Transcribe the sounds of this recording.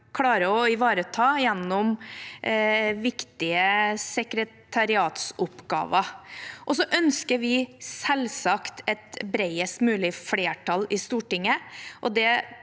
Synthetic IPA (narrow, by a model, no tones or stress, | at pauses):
kʰlɑːɾəɔɪʋɑːɾət̪ʰɑːjɛnːɔm | ʋɪkt̪ɪəsɛkɾət̪ʰɑɾɪɑːt̪sʊpːɡɑ̰ːʋəʔɔsɔʔœnskəɾʋɪsɛlsɑkt̪ɛt̪bɾɛɪəst̪mʉːlɪfleːʈʰɑlɪst̪uːʈɪŋːəʔɔd̪ɛ